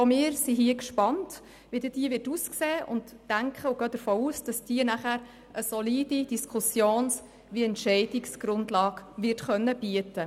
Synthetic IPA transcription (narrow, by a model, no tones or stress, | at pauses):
fɔmɪːɾsiɦiəkʃpɑnt | ʋɪd̪əd̥iəʋɪtuːskseːʔʊ̰ntːæŋkχəʊɡœːd̥̪əɾfoːuːsd̥ɑsd̥iənæχæːɾ | əsɔliːd̥id̥iskʰʊsjoːns | ʋiɛntʃɛɪd̥ɪksɡ̥ɾʊndlɑːɡʋɪtχœnːəb̥iətə